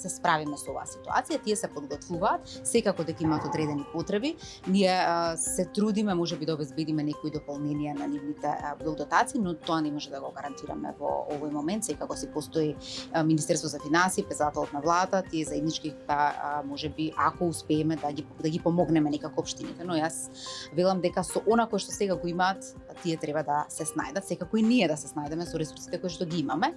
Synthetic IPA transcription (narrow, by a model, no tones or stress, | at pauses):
sɛspɾavimɛsɔova̰ːsi̥t̪ua̰t̪sijat̪iɛsɛpod̪ɡɔt̪vuvaːt̪sɛkakɔd̪ɛkaimaːt̪ɔd̪ɾɛd̪ɛnipot̪ɾɛbi | niɛsɛt̪ɾud̪imɛmoʒɛbid̪aɔbɛzbed̪imɛnɛkɔid̪ɔpɔlˠnɛnijananivnit̪ɛ̰bɛlˠd̪ɔt̪at̪siːnɔt̪oanɛmɔʒɛd̪aɡɔɡaɾant̪iɾa̰mɛ̰vɔ̰ovɔjmɔmɛnt̪sɛkakɔsipost̪ɔiminist̪ɛɾst̪ɔzafinansiːpɾɛt̪sɛd̪at̪ɛlˠɔt̪navlˠad̪at̪at̪iɛzaɛd̪nit͡ʃkit̪amɔʒɛbiʔakɔuspɛːmɛd̪aɡid̪aɡipɔmɔɡnɛmɛnɛkakɔːpʃt̪inḭt̪ɛnɔjas | vɛlˠamd̪ɛkasɔʔonakojʃt̪ɔsɛɡaɡoimaːt̪ː | iɛt̪ɾɛbad̪asɛsna̰jd̪at̪sɛkakɔiniɛd̪asɛsnajd̪ɛmɛsɔɾɛsuɾsit̪ɛkojʃt̪ɔɡiimamɛ